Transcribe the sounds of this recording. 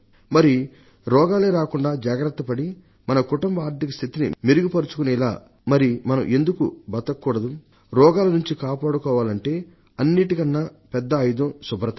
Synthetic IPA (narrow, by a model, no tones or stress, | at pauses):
mɐɾi | ɾɔːɡaːleːɾaːkuɳɖaːd͡ʒaːɡɾɐt̪ːɐpɐɽi | mɐnɐkuʈɐmbaːɾd̪ikɐst̪ʰit̪inḭmiɾuɡipɐɾut͡ʃu̥kunila̰ː | mɐɾimɐnɐmʔe̞nd̪ukubɐt̪ːɐkːuːɽɐd̪u | ɾɔːɡaːlɐnuɲt͡ʃikaːpaːɽukɔːʋaːlɐɳʈe̞ː | ɐnːiʈikɐnːapɛd̪ːɐːjud̪ɐmsubɾɐt̪ɐ